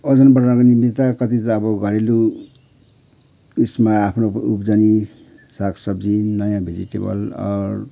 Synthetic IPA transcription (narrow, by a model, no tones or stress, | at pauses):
ʌd͡zʌnbʌɾnaknimit̪akʌt̪it̪ʌːbʌɡʌɾelu | usmaːpʰnoupd͡zani | sakʰsʌbd͡zinʌjãbʱed͡ziʈḛbʌ̰lʌ̰ɾ